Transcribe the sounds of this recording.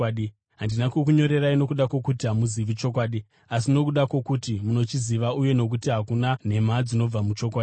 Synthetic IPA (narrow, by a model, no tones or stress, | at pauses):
i | ɦandinakwok̬uɲo̞ɾe̞raino̞kuɗakwo̞kutiɦamuziʋit͡ʃo̞k̬waːɗi | asino̞kuɗakwo̞kutimuno̞t͡ʃiziʋauje̞no̞k̬utiɦakunan̤e̞mad͡zino̞b͡vamut͡ʃo̞k̬waːi